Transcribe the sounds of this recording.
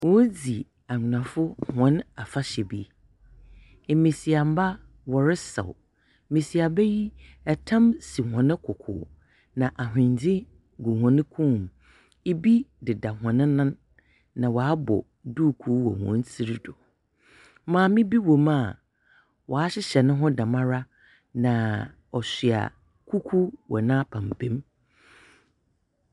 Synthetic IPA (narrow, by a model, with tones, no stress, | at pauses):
wɔ˨˦d͡zi˨ | a˨ɲ˨nã˨fʊ˦hɔ̃˨˦na˨fa˦ɕɛ˨bi˦˨ | mĩ˨si˨a˨m̩˦ba˦ | wɔ˨ɾɪ˦sɛ̰˨w | mĩ˨si˨a˨bɛ˦ji˦ɛ˨tʰã˦msi˨hɔ̃˨nɪ̃˦kʰʊ˨kʰʊ̰ː˨ | nã˨ʔa˨ɦɪ̃˨ɲ˨d͡ʑɪ˦ | ɡu˨hɔ̃˨nɪ̃˦kʰũ˦˨m | e˦bi˦dɪ˨da˨ɦɔ̃˨nɪ̃˦nã˦nː | ã˨wa˨a˦bɔ̰˨ | duː˦˨kʰu˨˦wɔ̰˨hɔ̰̃˨˦n˦si˦ɾi˦dʊ˨ | mãː˨mɪ̃˦bi˦wo˨ma˦˨ | wʔɔ˨a˦ɕɪ˦ɕɛ˨nɪ̃˦ɦɔ̃˦dã˨mã˦ɾa˦ | nã˨ | ɔ˨ɕi˨a̰˨ | kʰu˦kʰu˦wɔ̰˨nãː˦pʰã˨m˨bʰẽ˦m